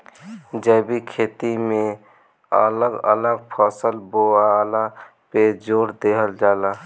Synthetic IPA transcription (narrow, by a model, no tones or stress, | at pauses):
d͡ʒɛːbikʰeːt̪imẽ | ə̰ləɡə̰ləɡpʰəːsəlboːaːla | ped͡ʒoːɾd̪eːɦəld͡ʒaːlaː